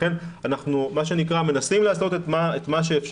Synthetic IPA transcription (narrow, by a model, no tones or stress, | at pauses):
e̞nanaχnumaʃ̬enikʁame̞nasimlaːslo̞tet̪maet̪maʃ̬e̞ːfʃ